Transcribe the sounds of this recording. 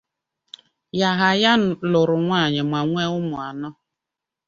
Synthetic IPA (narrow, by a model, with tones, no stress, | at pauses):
ja˨ɦa˨ja˦˨lʊ˨ɾʊ˨ŋʷa˦˨ɲɪ˨ma˨ŋʷe˦ʊ˦mʊ˨a˨nɔ˦